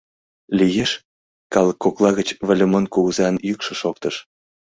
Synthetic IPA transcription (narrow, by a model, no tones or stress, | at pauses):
lʲijeʃ | kɑlˠəkːoklˠɑɣə̆t͡ɕβə̆lʲə̆mənkuɣəzɑnjykʃɤ̆ʃok̚t̪ɤ̆ʃ